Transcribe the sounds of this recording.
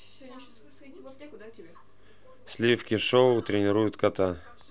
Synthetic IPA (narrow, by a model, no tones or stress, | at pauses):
sʲlʲifkʲɪʂoʊt̪ɾʲɪnʲɪɾujʊt̪kɐt̪a